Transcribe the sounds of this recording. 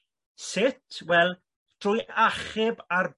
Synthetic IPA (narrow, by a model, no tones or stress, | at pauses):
sɪtʰwɛlˠ | d̥rʊjaχɪbar